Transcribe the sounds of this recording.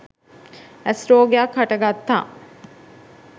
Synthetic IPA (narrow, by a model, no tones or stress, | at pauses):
æsɾoːɡejakaʈəɡat̪ːa̰ː